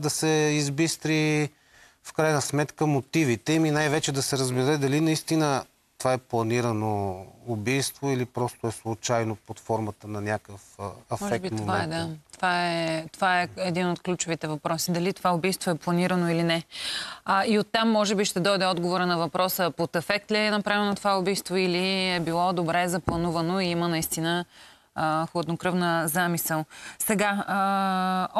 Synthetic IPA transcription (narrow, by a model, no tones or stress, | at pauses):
d̪ɐsɛizbist̪ɾi | fkɾajnəsmɛt̪kəmot̪ivit̪ɛiminajvɛt͡ʃɛd̪ɐsɛɾəzbɛɾɛd̪ɐlinɐist̪inə | t̪ovaɛplˠɐniɾənoːbijst̪voilipɾɔst̪oɛslˠʊt͡ʃajnopot̪fɔɾmət̪ənɐnʲakəfɛfmɔʒɛkbit̪momvaɛ̰ɛd̪at̪ovaɛt̪ovaɛɛd̪inot̪klʲut͡ʃovit̪ɛvɐpɾɔsid̪ɐlit̪ovaʊbijst̪voɛplˠɐniɾənoilinɛ | iot̪ːamːɔʒɛbiʃt̪ɛd̪ɔjd̪ɛɔd̪ɡovoɾənɐvɐpɾɔsəpot̪ɛfɛk̚t̪lʲiɛnɐpɾavɛnot̪ovaʊbijst̪voiliɛbilˠɔd̪obɾɛzɐplˠɐnuvɐnoiimənɐist̪inə | xlˠɐd̪nokɾɤvnəzamisɛlˠsɛɡa